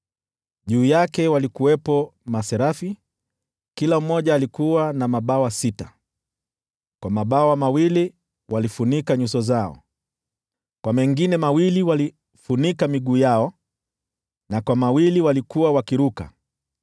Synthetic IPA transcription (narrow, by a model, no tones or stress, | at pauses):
ʄuːjakɛwalikuwɛpɔmasɛɾafi | kilam̩mɔʄaːlikuwanamaɓawasita | kwamaɓawamawili | walifunikaɲusɔzaɔ̰ | kwamɛŋɡinɛmawiliwali | funikamiɠuːjaɔ | nakwamawiliwalikuwawakiɾuka̰